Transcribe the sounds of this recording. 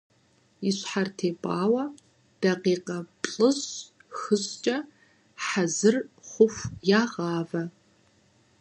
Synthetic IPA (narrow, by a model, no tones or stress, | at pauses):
iɕħartʰeːpʼɑːwɐ | d̥ɐqiːqɐpʼɬʼɨz | xɨɕt͡ʃʼɐ | ħazɨrχʷʊfʷjaːʁɑːvɐ